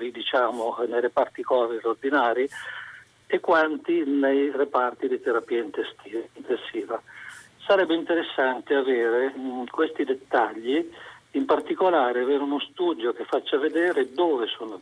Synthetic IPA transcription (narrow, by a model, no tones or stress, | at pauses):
ɾid̪it͡ʃaːmonejɾepart̪ikɔːviɾord̪inaːɾi | ekːwant̪inejrepart̪id̪it̪eɾapiːaint̪esiːnt̪ensiːva | saɾɛbːeint̪eɾesːant̪eaveːɾekwest̪id̪et̪ːaʎːiimpart̪ikolaːɾeaveːɾeunost̪uːd̪jok̟efːat͡ʃːaved̪eːɾed̪oːvesoːno